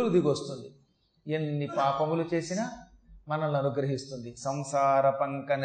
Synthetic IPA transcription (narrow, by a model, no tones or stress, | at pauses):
ulud̪iɡost̪und̪i | enːipaːpɐmulut͡ʃe̞ːsinɐ | mɐnɐmːuɐnuɡɾɐɦist̪und̪isɐmsaːɾɐpɐŋkɐn